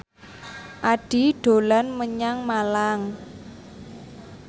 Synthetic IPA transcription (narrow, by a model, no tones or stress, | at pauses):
ʔaɖ̥i̤ɖ̥o̤lanməɲaŋmalaŋ